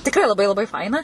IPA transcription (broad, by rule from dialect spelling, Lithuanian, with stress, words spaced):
tʲɪkˈrɐɪ lˠɐˈbɐɪ lˠɐˈbɐɪ ˈfɐɪnɐ